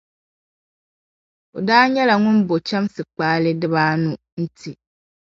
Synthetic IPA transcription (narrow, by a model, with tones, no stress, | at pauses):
o˨daː˦ɲɛ˦la˨ŋʊ˦nbo˨t͡ʃa˦msɨ˨k͡paː˦lɪ˦dɪ˦βaː˦nʊ˨ | n̩˦tʰi˨